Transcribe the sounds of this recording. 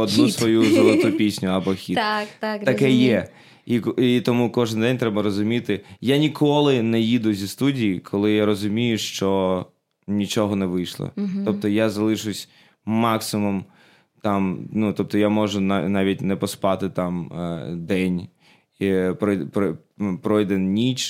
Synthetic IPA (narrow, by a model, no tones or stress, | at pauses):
ɔd̪nusʋɔjuzzɔlˠɔt̪upʲisʲnʲʊɐbɔxʲit̪t̪at̪ɐkɛjɛ | ikit̪ɔmukɔʒɪnd̪ɛnʲt̪ɾɛbɐɾɔzʊmʲit̪ɪjanʲikʰɔlˠɪnɛjid̪ʊzʲist̪udʲijikʰɔlˠɪjaɾɔzʊmʲijʊʃt͡ʃɔ | nʲit͡ʃɔɦɔnɛʋɪjʃlˠɔ̰ɔp̚t̪ɔjazɐlˠɪʃʊsʲ | mɑksɪmum | t̪ɑmnut̪ɔp̚t̪ɔjamɔʒʊnanɑʋʲitʲnɛpɔspɑt̪ɪt̪ɑmd̪ɛnʲ | ipɾɔpɾɔ | pɾɔjd̪ɛnnʲit͡ʃ